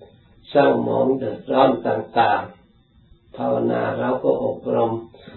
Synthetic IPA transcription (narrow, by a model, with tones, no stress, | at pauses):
sa˥˩˨wmɔ̰ː˨˦ŋdɯ˨˩ət̪̚ɾɔː˥˩˨nt̪aː˨˩ŋt̪aː˨˩ŋ | p̪ʰaː˧wa˧na̰ː˧ɾa˧wkɔː˥˩ʔo˨˩p̚ɾo˧m